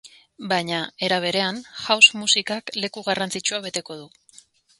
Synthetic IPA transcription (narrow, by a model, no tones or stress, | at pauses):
bajɲae̞ɾaβ̞e̞ɾe̞anʝawsmusikakle̞kuɣarant͡sit͡ʃuaβ̞e̞t̪e̞ko̞ð̞u